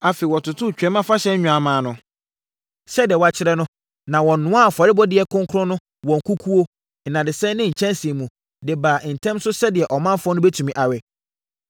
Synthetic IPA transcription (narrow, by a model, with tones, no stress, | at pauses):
a˨fe˨wɔ˨tʊ˨tʰʊ˦˨t͡ɕᶣɛ˨˦mã˦fa˦ɕɛ˦ɲ̩˦ɲᶣũ˨a˨mãː˨˦nʊ̃˨ | ɕɛ˦dɪ˨ɛ˨wa˨t͡ɕʰɪ˦ɾɛ˦nʊ̃˦ | nã˨wɔ̃˨n˨nʊ̃˦a˦˨fɔ˨ɾɪ˦bɔ˦dɪ˨ɛ˨kʰʊ̃˦ŋkʰʊ˦ɾɔ̃˦nʊ̃˦ | wɔ̃˨ŋ̩˨kʰu˦kʰu˦o˦ | n̩˨nã˨dɪ˨sɛ˦nɪ̃˦ɲ̩˨t͡ɕʰɛ̃˦n˦si˨e˨mũ˨ | dɪ˨baː˨ʔn̩˨tʰɛ̃˦msʊ˦sɛ˦dɪ˨ɛ˨ʔɔ˨mã˦m˦fɔ˦nʊ̃˦bɛ˦tʰũ˨mĩ˨ʔa˨ɥɛ˨